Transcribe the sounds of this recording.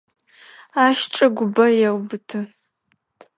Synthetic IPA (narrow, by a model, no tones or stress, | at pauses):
aːʃʈ͡ʂʼɐɡʷʊbɐjɛwbɨtʰɨ